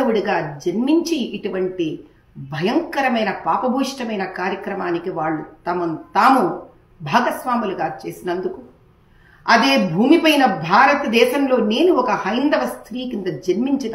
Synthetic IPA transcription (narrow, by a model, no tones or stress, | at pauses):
ɐwuɽiɡaːd͡ʒɐnmiɲt͡ʃiːʈuʋɐɳʈi | bʱɐjɐŋkɐɾɐmɐjnɐpaːpɐbʱuːʂʈɐmɐjnɐkaːɾjɐkɾɐmaːnikiʋaːɭːut̪ɐmɐnt̪aːmu | bʱaːɡɐsʋaːmuluɡaːt͡ʃe̞ːsinɐnd̪uku | ɐd̪e̞ːbʱuːmipɐjnɐbʱaːɾɐt̪ɐd̪ɛːʃɐmlo̞ːne̞ːnuɔkɐhɐjnd̪ɐʋɐst̪ʰɾiːkind̪ɐd͡ʒɐnmiɲt͡ʃi